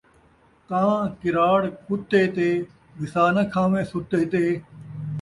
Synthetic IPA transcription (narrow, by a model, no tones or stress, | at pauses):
t̪ãːkɪɾaːɽkʊt̪eːt̪eː | bɪsaːnəkʰãːmẽːsʊt̪eːt̪eː